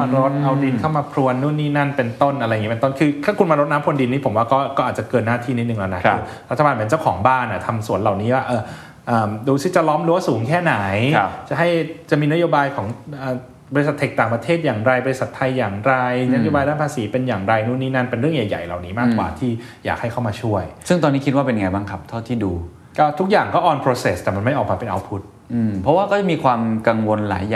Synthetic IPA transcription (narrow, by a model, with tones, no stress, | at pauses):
ma˧ɾo˦˥t̪̚ʔa˧wdi˧nkʰa˥˩wmaː˧pʰɾu˧ənːu˥˩˨nːiː˥˩na˥˩npe˧nt̪o˥˩nʔa˧ɾa˧jŋi˦pe˧nt̪o˥˩nkʰɯː˧t̪ʰaː˥˩kʰu˧nmaː˧ɾo˦˥t̪̚na˦˥mkʰo˧ndi˧nːiː˦˥pʰo˩˦mwaː˥˩kɔː˥˩kɔː˥˩ʔaː˨˩t͡ɕa˨˩kɤː˧nːaː˥˩t̪ʰiː˥˩ni˦˥t̪̚ɯ˨ŋlɛː˦˥na˦˥kkɯː˧ | ɾa˦˥a˧baː˧npe˧nt͡ɕa˥˩wkʰɔː˩˦ŋbaː˥˩nʔa˨˩t̪ʰa˧msu˨˩˦ənla˨˩wniː˦˥waː˥˩ʔɤː˧˩ | ʔəː˨˩mduː˧si˥˩t͡ɕa˨˩lɔː˦˥mlɯː˨˧˦waː˥˩suː˩˦ŋkʰɛː˥˩na˩˦jt͡ɕa˨˩ɦa˥˩jt͡ɕa˨˩ʔmiː˧na˦˥joː˧baː˧jkʰɔː˩˦ŋʔəː˨˩ | bɔ˧ɾi˧sa˨˩t̪ʰːe˨˩k̚t̪aː˨˩ŋpɾa˧t̪ʰeː˥˩t̪̚jaː˨˩ŋɾa˧jbɔ˧ɾi˧˥sa˨˩t̪ʰːa˧jːaː˨˩ŋɾa˧jna˦˥joː˧baː˧jdaː˥˩npʰaː˧siː˩˦pe˧njaː˨˩ŋɾa˧jnu˦˥˩nːiː˦˥na˥˩npe˧nɾɯ˥˩əŋja˨˩ja̰˨˩jla̰˨˩wniː˦maː˥˩kwa̰ː˨˩t̪ʰiː˥˩ | jaː˨˩k̚ha˥˩jkʰa˥˩maː˧t͡ɕʰu˥˩əjsɯ˥˩ŋt̪ɔː˧niː˦˥kʰi˦˥t̪̚waː˥˩pe˧nja˧ŋ˧jbaː˥˩kʰa˦˥p̚t̪ʰa˥˩t̪ʰiː˥˩duː˧ | kɔː˥˩t̪ʰu˦˥k̚jaː˨˩ŋkɔː˥˩ʔɔː˧npʰɾoː˧se˨˩st̪ɛː˨˩ma˧nma˥˩jʔɔː˨˩k̚maː˧pe˧nʔa̰˧wpʰu˦˥t̪̚ | ʔɯː˧pʰɾɔ˦˥waː˥˩kɔː˥˩t͡ɕa˨˩miː˧kʰwaː˧mka˧ŋwo˧nla̰ː˩˦jaː˨˩